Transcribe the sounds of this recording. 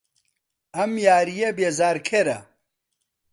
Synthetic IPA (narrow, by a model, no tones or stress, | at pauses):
ɐmjaːɾijebeːzaːɾkʰeɾɐ̰